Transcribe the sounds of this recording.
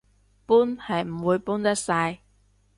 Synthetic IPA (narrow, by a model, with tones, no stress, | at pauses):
puː˥nhɐ˨jm̩˨˩wuː˨˧jpuː˥nt̪ɐ˥k̚sɐ˧j